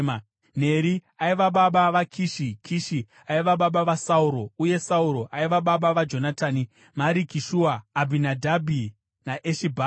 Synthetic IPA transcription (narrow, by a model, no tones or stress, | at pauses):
a | n̤e̞ɾiaiʋaɓaɓaʋakʰiʃikʰiʃi | aiʋaɓaɓaʋasauɾo̞uje̞sauɾo̞ʔaiʋaɓaɓaʋad͡ʒo̞natʰaːni | maɾikiʃuaːbʱinadʱabʱi | naʔeʃibʱa